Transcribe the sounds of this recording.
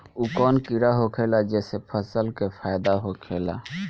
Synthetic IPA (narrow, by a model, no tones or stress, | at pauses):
ukɔːnkɪɾaɦokʰeːlad͡ʒɛːsepʰəsəlkepʰaːjd̪aɦokʰeːla̰